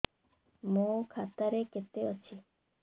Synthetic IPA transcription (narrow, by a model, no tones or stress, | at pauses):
moːkʰat̪aɾeket̪eot͡ʃʰi